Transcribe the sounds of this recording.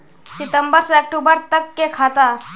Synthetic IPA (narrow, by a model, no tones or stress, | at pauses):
sit̪əmbəɾsəək̚ʈubəɾt̪əkːekʰat̪a